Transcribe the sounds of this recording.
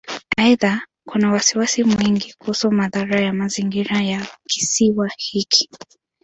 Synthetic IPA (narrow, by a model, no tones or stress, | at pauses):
ajða | kunawasiwasimwiŋɡikuhusɔmaðaɾajamaziŋɡiɾajaki̥siwahikʰi̥